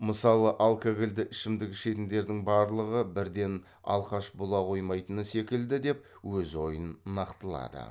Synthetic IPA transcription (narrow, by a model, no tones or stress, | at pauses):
məsɑlˠəʔalˠkaɡʲɪld̪ɪʔɪʃɪmd̪ɪkʲʃe̞t̪ɪmd̪e̞ɾd̪ɪŋbɑɾlˠəʁəbɪɾd̪e̞n | ɑ̰lˠqɑʃbolˠɑqʰo̞jmɑjt̪ənəse̞kʲɪld̪ɪd̪e̞p̚ | wɵzo̞jənːɑqt̪əlˠɑ̰d̪ə̰